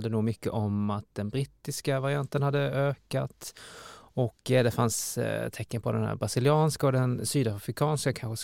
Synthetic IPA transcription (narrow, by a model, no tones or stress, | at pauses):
d̪ənuːɡmʏkːə̰ʔɔmat̪̚d̪ɛnbɾɪt̪ːɪskavaɾɪant̪ənhad̪ːəʔøːkat̪ | ɔkd̪ɛfanst̪ʰɛkːənpʰɔd̪ɛnhæ̰ːɾbɾasɪlɪɑːnskaɔd̪ɛnsyːd̪afɾɪkʰɑːnskakʰanɧəs